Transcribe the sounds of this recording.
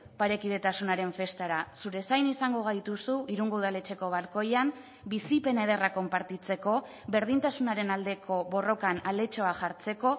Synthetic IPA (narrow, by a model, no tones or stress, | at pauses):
paɾe̞kið̞e̞t̪asunaɾe̞ɱfe̞st̪aɾasuɾe̞sajnisaŋɡo̞ɣajt̪usuiɾuŋɡouðale̞t͡ʃe̞ko̞β̞aɾko̞jam | bisipe̞neð̞e̞rako̞mpaɾt̪it͡se̞ko̞ | βe̞ɾðint̪asunaɾe̞nald̪e̞kʰo̞βo̞ro̞kanale̞t͡ʃo̞axaɾt͡se̞ko̞